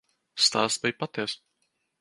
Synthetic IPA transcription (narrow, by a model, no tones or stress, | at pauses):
st̪aːst̪bɨjpat̪iɛs